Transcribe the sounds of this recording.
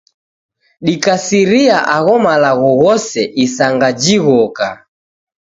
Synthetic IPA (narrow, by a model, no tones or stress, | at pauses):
ɗikasiɾiaʔaɣɔmalaɣɔɣɔsɛʔisaŋɡad͡ʒiɣɔka